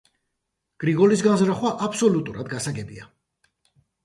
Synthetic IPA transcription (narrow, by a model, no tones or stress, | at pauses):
ɡ̥ɾiɡɔlisɡanzɾaχwaʔapʰsɔlut̪ʼuɾad̪ɡasaɡɛbia